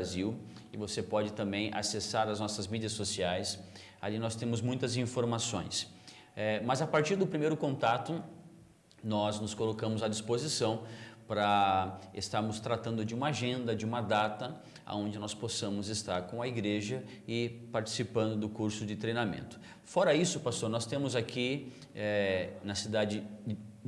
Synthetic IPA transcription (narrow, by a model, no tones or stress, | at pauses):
aziw | ɪvosepɔd͡ʒɪt̪ɐ̃mbẽj̃ʔa̰sesaɾɐznɔsɐzmid͡ʒiɐsːosiajs | a̰linɔst̪ẽmʊzmũj̃t̪ɐzĩfoɾmasõ̰j̃s | ɛmɐzapaɾt͡ʃiɾd̪ʊpɾimejɾʊkõnt̪at̪ʊ | nɔznʊskolokɐ̃mʊzɐd͡ʒispozisɐ̃w̃pɾɐest̪aɾmʊst̪ɾat̪ɐ̃nd̪ʊd͡ʒɪũmɐaʒẽnd̪ɐd͡ʒɪũmɐd̪at̪ɐ | a̰õnd͡ʒɪnɔsposɐ̃mʊzɪst̪a̰ɾkõɐiɡɾeʒɐ | ɪpaɾt͡ʃi̥sipɐ̃nd̪ʊd̪ʊkuɾsʊd͡ʒɪt̪ɾejnamḛ̃nt̪ʊ̥ | fɔɾɐisʊpast̪oɾnɔst̪ẽmʊzakʰi | ɛnɐsid̪ad͡ʒɪ